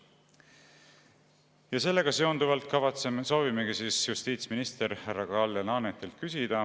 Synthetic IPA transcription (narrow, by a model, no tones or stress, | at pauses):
jɑse̞lːe̞ɡ̥ɑse̞ond̪uvɑlt̪̚kɑvɑt̪seso̞ːvimeɡisiːsjust̪iːt̪sminist̪e̞ɾhærːɑɡɑlːenɑːnet̪ːˑilt̪̚kysid̪̥ɑ